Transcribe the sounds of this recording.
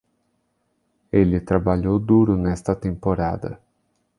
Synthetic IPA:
elɪt̪ɾabaʎowd̪uɾʊnɛst̪ɐt̪ẽmpoɾa̰d̪ɐ̰

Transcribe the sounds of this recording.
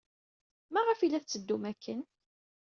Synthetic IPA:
mæʁəfilæθt͡sːəd̪ːumækʰːən

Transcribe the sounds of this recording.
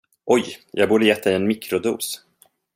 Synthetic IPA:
ʔɔjjʔɑ̰ːɡ̚buːɖəjɛt̪ʰːaɪɛnmɪkɾʊd̪ṵːs

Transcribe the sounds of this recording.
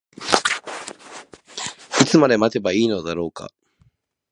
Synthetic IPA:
it͡sɨmad̪e̞mat̪e̞baiːno̞d̪aɾo̞ːka̰

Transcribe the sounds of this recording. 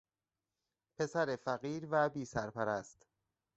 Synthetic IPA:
pʰe̞sæɾefæɣiːɾvæbiːsæɾpæɾæst̪

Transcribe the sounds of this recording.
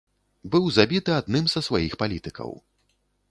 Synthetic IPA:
bɨwzabʲit̪ɨad̪nɨmzɐsvajixpalʲit̪ɨkɐ̰w

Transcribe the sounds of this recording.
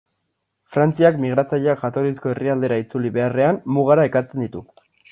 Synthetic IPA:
fɾant͡siakmiɣ̞ɾat͡saʎoakʝat̪o̞ɾisko̞e̞riald̪e̞ɾait͡suliβe̞are̞anmuɣ̞aɾae̞kaɾt͡se̞nd̪it̪u

